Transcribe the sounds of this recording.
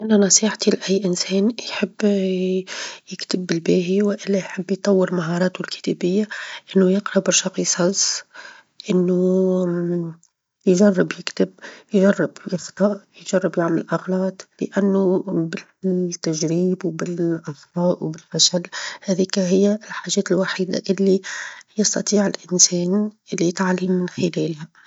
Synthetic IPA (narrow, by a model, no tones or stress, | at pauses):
ʔɪnænɑsˤiːħt̪ilɪʔæjːʔɪnsɛːnjħɪbː | jɪkt̪ɪbːɪlbæːɦiwɪʔɪlːæjħɪbːjt̪ˤɑwːɪɾmaɦɑɾˤɑːt̪ʊlkɪ̥t̪æbɪjːaʔɪnːujɪqɾˤɑbɑɾʃɑqisˤɑs | ʔɪnːu | jʒɑrˤːɪbjɪkt̪ɪbjʒɑrˤːɪbjɪxt̪ˤɑʔjʒɑrˤːɪbjɪʕmɪlʔɑɣlɑːt̪ˤbɪ̰ʔænːʊbɪ | t̪ːæʒɾiːbwbɪlʔɑsˤfɑːʔwbɪlfæʃælːhæðiːkæɦɪjːælħaːʒɛːt̪ɪlwaħiːd̪a̰ʔɪlːijɑst̪ɑt̪ˤiːʕɪlʔɪnsɛːnɪlːit̪ʕalːɪmːɪnxɪlɛːlhæ